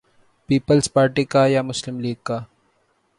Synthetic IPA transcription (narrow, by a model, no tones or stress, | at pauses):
piːpəlspaːɾʈikajamʊslɪmliːɡ̚ka